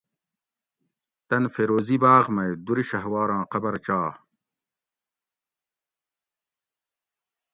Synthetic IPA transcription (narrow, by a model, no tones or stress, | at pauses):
t̪ɐnfeɾoːzibaːʁmɐjd̪uɾiɕɐɦwaːɾãːqɐbɐɾt͡ɕaː